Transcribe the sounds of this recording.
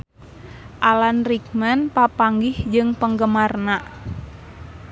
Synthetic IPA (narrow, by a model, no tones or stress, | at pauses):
ʔalanrik̚mənpapaŋɡɪhd͡ʒɨŋpəŋɡəmarnaʔ